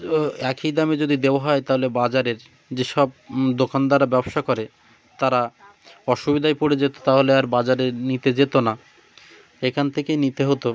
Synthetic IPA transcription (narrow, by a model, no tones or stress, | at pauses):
ɛkid̪amed͡ʑod̪id̪eoaɦɔet̪aɦolebad͡ʑaɾeɾ | d͡ʑeʃɔbd̪okand̪aɾabɛboʃakɔɾe | t̪aɾa | ɔʃubid̪ʱajpoɽed͡ʑet̪o̥t̪aɦoleaɾbad͡ʑaɾeɾnit̪ed͡ʑet̪ona | ʃekʰant̪ʰekenit̪eɦot̪o